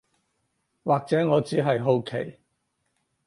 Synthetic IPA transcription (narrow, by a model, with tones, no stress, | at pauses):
waː˨k̚t͡sɛː˨˥ŋɔː˨˧t͡siː˨˥ɦɐ˨jɦo˧wkʰḛ˨˩j